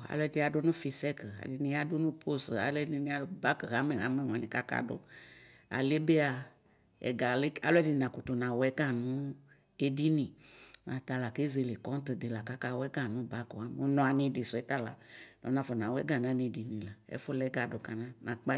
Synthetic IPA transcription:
a̰˨˦lɛ˦di˧˦a˨dʊ˦nʊ̃˦fi˧sɛ˦ka̰˨di˨nĩ˧˦a˦dʊ˦nũ˦pʰo˦sa̰˨lɛ˦di˧nĩ˦a˦ba˦kɣa˦mɛ˨ɣa˨˦mɛ˦˨ŋ˨ɛ̃˨nĩ˨ka˦ka̰˨do̰˦ | a̰˨le˦be˦a˧ | ɛ̰˨ɡa˨le˦a̰˨lo˦ɛ˦di˧nã˨ku˨t̪o˨nã˨wɛ˨˦ɡa˦˨nũ˦ | e˧di˦nĩ˨nã˨t̪a˧la˨ke˦ze˧le˨kɔ˦n˦t̪ɨ˨d̪e˨la˨ka˦ka˦wɛ˦ɡa˨nũ˦ba˦ko˨a˦m˦o˦nɔ̃˨˧a˨nĩ˧di˨sʊ˨ɛ˦t̪a˦la̰˨nɔ̰̃˨˦nã˧fɔ˨nã˨wɛ˦ɡa˨n˨ã˨˦ni˧˨di˨nĩ˨la˨ɛ̰˦fʊ˦lɛ˦ɡa˨do˨ka˨nã˦nã˨k͡pa˦

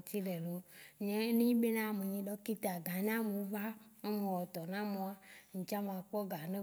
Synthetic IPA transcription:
t̪i˦lɛ˨lo˨˦ɲẽ˦nĩ˦be˦nã˦˨me˨ɲĩ˦ɖɔ˦ki˦t̪a˨ɡã˨ɲã˦mũ˨˦va˦o˦mẽ˨wɔ˨t̪ɔ˨nã˦mõ˨a˦ɲ̩̃˨t͡ʃa˦mã˨k͡pɔ˦ɡa˨nẽ˦

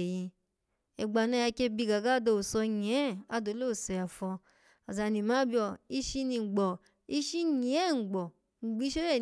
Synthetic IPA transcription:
ji˧ | ɛ˨ɡ͡ba˧˨nã˧˦a˧ke˧bi˧ɡa˨ɡa˦do˧o˨sɔ˧ɲ˨ɛ˨˦˨a˧do˨˧˦lo˦˨sɛ˨a˨fɔ˧ | a˨za˨˧˨nĩ˨mã˨˦bi˧ɔ˧˨i˧˦ʃi˧nĩ˧˨ɡ͡bɔ˨ | i˧ʃi˦ɲĩ˨ɛ˦˨ŋ͡m̩˨ɡ͡bɔ˨ | ŋ͡m̩˨ɡ͡bi˨˦ʃo˦ɛ˦˨

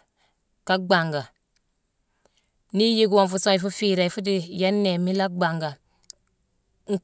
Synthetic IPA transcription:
ka˦ɡ͡ba˨ŋɡa˨ | ni˦ji˦ɡwɔ˦nfu˨so˦i˨fu˦fi˦ɾa˨i˨fu˦di˦jɛ˦nːe˨mi˦la˦ɡ͡ba˨ŋɡa˨ | ŋ̩˦

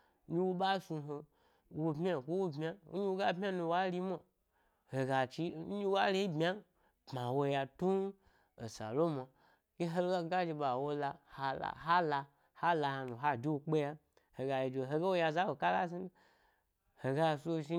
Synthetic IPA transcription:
ɲi˦wo˦ɓa˦su˧ɦo˧ | wo˧bmʲ˦a˦˨ko˦wo˦bmʲ˦a˦ɲi˦wo˦ɡa˦bmʲ˦a˦nu˧wa˦li˦mo˨ | he˨ɡa˨t͡ʃi˧˦ɲi˦wa˦le˦i˦bmʲ˦a˦ | pma˨wo˧ja˧tu˦ | e˨sa̰˨lo˦ma˨ | ɡ̥e˦ɦe˦lɡa˦ɡa˦d͡ʒe˧ɓa˨wo˧la˧ha˨la̰˨ɦa˦la˧ | ha˦la˧ha˨nu˨ɦa˦˨d͡ʒi˦wo˧k͡pe˦ja˦ | he˨ɡa˨je˨d͡ʒe˧˨ɦe˧ɡe˦wo˧ja˧za˦wo˨ka˦la̰˦si˦nu˦ | he˨ɡa˧˨so˦˧˨ʃi˦

